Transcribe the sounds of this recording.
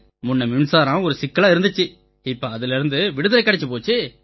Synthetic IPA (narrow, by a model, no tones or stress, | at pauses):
mʊnːɐmɪmsaːɾãːɔɾɯsɪkːɐlaːɪɾɯnd̪ɯt͡ʃːɯ | ɪpːɐɐðɪlɪɾɯnd̪ɯʋɪɽɯðɪlɐɪkːɐɽɛt͡ʃːɯpoːt͡ʃːɯ